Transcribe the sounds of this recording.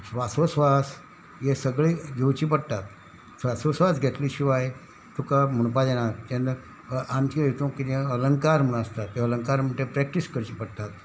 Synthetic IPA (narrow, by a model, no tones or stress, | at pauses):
sʋasosʋas | jesəɡɭeɡʱewt͡ɕiːpəɽt̪at̪̚ | sʋasosʋasɡʱet̪liːɕiʋaj | t̪ʰukam̤əɳp̬ad͡ʑɛnat͡ɕ̪ẽn | ant͡ɕiəjt̪õkit̪ẽələŋkaɾm̤əɳ̃əst̪at̪jeələŋkaɾm̤əʈẽpɾɛk̚ʈiskəɾt͡ɕiːpəɽt̪at̪̚